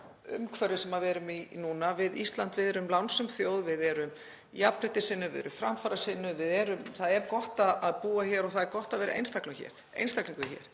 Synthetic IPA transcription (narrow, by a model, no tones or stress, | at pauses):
ʏ̰mkʰvɛɾʏsɛmaðvɛːɾʏminuːnavɪðist̪lant̪vɪðɛɾʏmlawnsʏmθjoːwðvɪðɛɾʏm | japɾɪht̪ɪsɪnʏvɪ̰ðɛ̰ɾʏmfɾa̰mfaɾasɪnːʏvɪðɛɾʏmθaðɛɾkɔht̪aðaðpuːaçɛːɾɔɣθaðɛɾkɔht̪aðvɛːɾʔḛjnst̪aklʏçɛ̰ːɾ̥ | ḛjnst̪akliŋkʏçɛ̰ɾ̥